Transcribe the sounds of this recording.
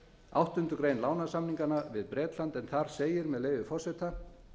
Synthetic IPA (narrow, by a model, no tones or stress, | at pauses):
a̰wht̪ʏnt̪ʏkɾeːjnlaːwnasamniŋkanavɪðpɾɛːt̪lant̪ɛnθaɾ̥seːjɪɾmɛðleːjvʏfɔr̥sɛt̪a